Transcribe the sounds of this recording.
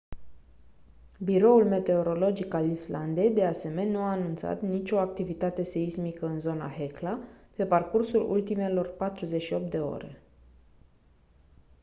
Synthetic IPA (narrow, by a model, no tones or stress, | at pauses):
biɾo̞ulme̞t̪e̞o̞ɾo̞lo̞d͡ʒikalisland̪e̞jd̪e̞ase̞me̞nnuaːnunt̪sa̰t̪nit͡ʃʲo̞ak̚t̪ivit̪at̪e̞se̞izmikəɨnzo̞na̰ɦeklape̞parkursulṵlt̪ime̞lo̞rpat̪ɾuze̞ʃio̞p̚t̪̚d̪e̞o̞̰ɾe̞̰